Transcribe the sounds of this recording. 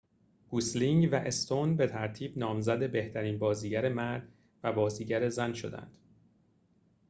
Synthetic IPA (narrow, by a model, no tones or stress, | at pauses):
ɡ̥usliŋɟvæʔest̪o̞nbe̞t̪ʰæɾt̪ʰiːbnɒːmzæd̪e̞be̞ht̪ʰæɾiːnbɒːziːɟæɾe̞mæɾd̪̥ | væbɒːziːɟæɾe̞zænʃo̞̰d̪æ̰nd̪̥